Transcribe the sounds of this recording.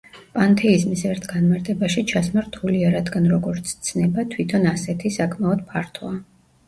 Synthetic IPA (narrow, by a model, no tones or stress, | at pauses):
pʼant̪ʰɛizmisɛɾt̪ʰɡanmaɾt̪ʼɛbaʃit͡ʃʰasmaɾt̪ʰuliaɾad̪ɡanɾɔɡɔɾt̪sʰt̪sʰnɛbat̪ʰwit̪ʰɔnasɛt̪ʰisakʼmaɔd̪̥̚pʰaɾt̪ʰɔa